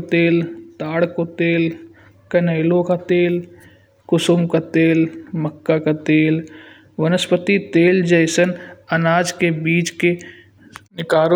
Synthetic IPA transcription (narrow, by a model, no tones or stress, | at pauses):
t̪eːlt̪aːɽkot̪eːl | kɐneːlõkat̪eːl | kʊsʊmkat̪eːlməkːakat̪eːl | ʋənəspət̪it̪eːld͡ʒəɪsənɐnaːd͡ʒkebiːt͡ʃke | nɪkaːɾ